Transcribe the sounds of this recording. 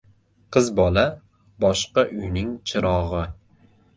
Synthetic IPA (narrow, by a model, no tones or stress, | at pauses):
qʰɨzbɒla | bɒʃqɑʔʊjnɪŋt͡ʃʰɪɾɒʁɨ